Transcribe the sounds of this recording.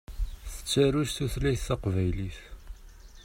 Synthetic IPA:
θə̥t͡sːaɾuʃθuθlæjθːaqvæjliθ

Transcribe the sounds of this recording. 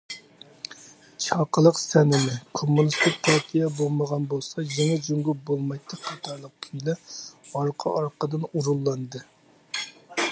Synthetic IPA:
t͡ʃʰɑqʰəlˠəqsɛnɪmɪkʰomːunist̪ɪk̚ʲpʰɑɾt̪ʰijɛbolˠməʁɑnbolˠsɑjeŋɛd͡ʒuŋɡʲubolˠmɑjt̪ʰːɨqʰɑt̪ʰɑɾlˠəq̚kʲʰyjlɛɑɾqʰɑ̰ʔɑɾqʰəd̪ɨnuɾulˠːɑnd̪ɨ

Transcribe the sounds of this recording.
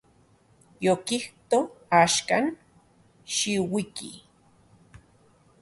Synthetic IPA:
jokiht̪oaːʃkan | ʃiwikḭ

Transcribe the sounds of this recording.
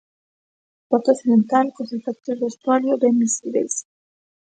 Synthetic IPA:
pat̪okθiðent̪alkosefakt̪ozd̪ost̪ɾaljodemisiβes

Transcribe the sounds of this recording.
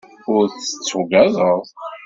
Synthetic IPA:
ʊɾθə̥t͡sːʊɡæðˤəðˤ

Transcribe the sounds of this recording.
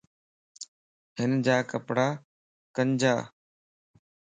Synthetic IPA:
ɦɪnd͡ʑaːkəpɽaː | kəɲd͡ʑaː

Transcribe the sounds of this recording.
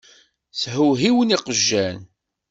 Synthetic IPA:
θhuɦiwəniqəʒːæn

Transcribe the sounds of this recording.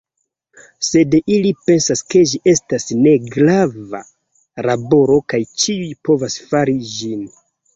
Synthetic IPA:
se̞dilipe̞nsaske̞ʒiʔe̞stasne̞ɡɾava̰ | ɾabo̞ɾo̞kajt͡ʃiujpo̞vasfaɾid͡ʒin

